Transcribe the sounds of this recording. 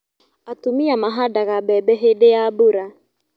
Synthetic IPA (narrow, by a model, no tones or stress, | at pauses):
atumiamaɦadaɣabɛbɛɦedɪjabuɾa